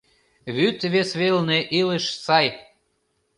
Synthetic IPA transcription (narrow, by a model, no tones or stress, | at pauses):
βyt̪βesβelneʔiləʃsɑj